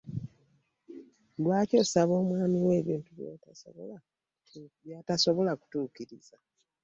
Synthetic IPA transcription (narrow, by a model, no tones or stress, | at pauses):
lwaːco̞saβo̞ːmwaːmiwe̞ːβiːntuβjo̰taso̰βola | βjataso̞βo̞laku̥tuːkiɾiz̥a